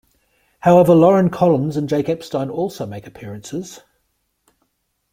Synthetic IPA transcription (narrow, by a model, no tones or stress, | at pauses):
haʊɛvəlɒɹə̃nkʰɒlə̃nzə̃nd͡ʒeɪkəpstãɪ̃nɔˑlˠsəʊmeɪkəpʰɪəɹə̃nsɪz̥